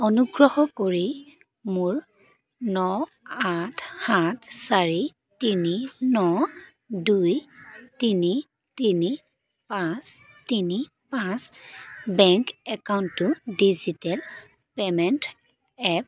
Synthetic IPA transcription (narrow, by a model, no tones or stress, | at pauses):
ɔnuɡɹɔhɔkoɹi | mʊɹ | nɔ | atʰhatʰsaɹi | tininɔ | dujtini | tini | pãs | tini | pãsbɛŋkɛkawntːʊdizitɛl | pɛmɛnt | ɛp